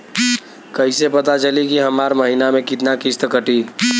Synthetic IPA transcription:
kəɦɪsepət̪at͡ʃəlikiɦəmaɾməɦinamẽkit̪nakist̪əkəʈi

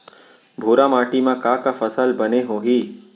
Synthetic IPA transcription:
bʱoːɾamaːʈimãkaːkafəsəlbəneɦoːɦiː

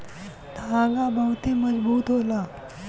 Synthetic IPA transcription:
ɖʱaɡabəwt̪eməd͡zbuːt̪ɦola

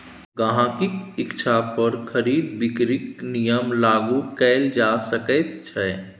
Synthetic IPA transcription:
ɡaɦãːkikɪkt͡ʃʰapəɾkʰəɾiːd̪bɪkɾɪknijəmlaːɡukɛːld͡ʒaːsəkət̪̚t͡ʃʰɛ

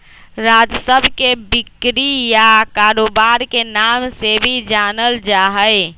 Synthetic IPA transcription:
ɾad͡ʒsəbʱkebɪkɾijakaːɾoːbaɾkenamsebʱid͡ʒaːnəld͡ʒaɦəj

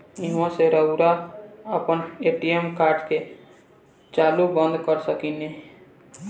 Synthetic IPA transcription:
iɦõseɾəʊɾaəpəneʈiemkaɾɖke | t͡ʃalubənd̪ʱkəɾsəkine

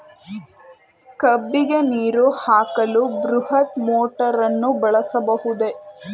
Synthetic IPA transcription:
kɐbːiɡe̞niːɾuhaːkɐlubɾuhɐt̪moːʈɐɾɐnːubɐɭɐsɐbɐɦud̪e̞

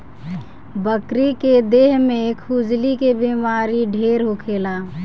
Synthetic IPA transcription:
bəkɾiked̪eːɦmẽkʰud͡ʒlikebimaːɾiɖʱeːɾɦokʰeːlaː

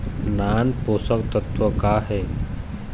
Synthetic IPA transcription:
naːnposəkt̪ət̪ʋəkaːɦe

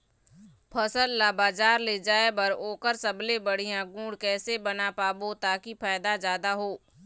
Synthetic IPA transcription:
pʰɐsəlːaːbaːd͡ʒaːɾled͡ʒaːebəɾoːkəɾsəblebəɽijãɡũːɽkɛːsebɐnapaːbot̪aːkipʰaːɪd̪azjaːd̪aɦoː

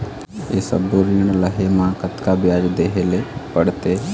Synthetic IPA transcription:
esə̰boɾiɳ̃ləɦemãkət̪kabjad͡ʒd̪eɦelepəɽt̪e

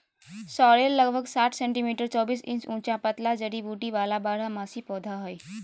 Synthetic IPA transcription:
sɔɽelːəɡbʱəɡsaʈʰsẽɳʈimiʈəɾt͡sɔbiːsḭnsũt͡ɕapət̪lad͡zəɽibuʈiʋalabaɽ̤amasipɔd̪ʱaɦoj

